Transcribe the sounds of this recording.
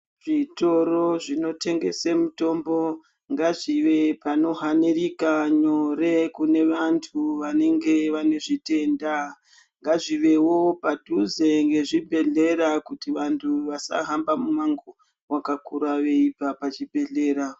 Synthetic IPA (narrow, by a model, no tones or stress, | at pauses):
ʐ̥ito̞ro̞ʐino̞tʰe̞ŋɡe̞̰semuto̞mbo̞ | ŋɡaʐiʋe̞pano̞ɦanirikaɲo̞ɾe̞kune̞ʋantʰuʋane̞ŋɡe̞ʋane̞ʐite̞ːnda | ŋɡaʐiʋe̞wo̞padʱuze̞ŋɡe̞ʐibʱe̞ɮe̞ɾakutiʋantʰuʋasa̰ɦambamumaŋɡo | wakakuɾaʋe̞ipapat͡ʃibʱe̞ɮe̞ːɾa